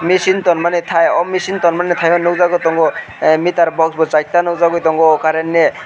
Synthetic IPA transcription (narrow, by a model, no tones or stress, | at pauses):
misint̪ɔnmanɛt̪ʰajɔmisint̪ɔnmanɛt̪ʰajɔnɯwzaɡɔt̪ɔŋɡɔ | mit̪aɾbʱɔksbɔt͡ʃat̪anɔwzaɡɔjt̪ɔŋɡɔːkaɾɛnːe